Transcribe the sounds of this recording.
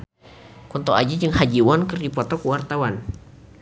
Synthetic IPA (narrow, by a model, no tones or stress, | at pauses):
kɔnt̪ɔa̰d͡ʒad͡ʒɨŋhad͡ʒiwɔnkərdipɔt̪ɔkuwart̪awan